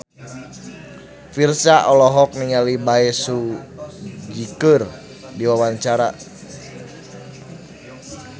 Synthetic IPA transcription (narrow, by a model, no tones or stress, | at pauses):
firsaʔɔlɔɦɔk̚niŋalibaɛsu | d͡ʒikər | diwawaɲt͡ʃaɾa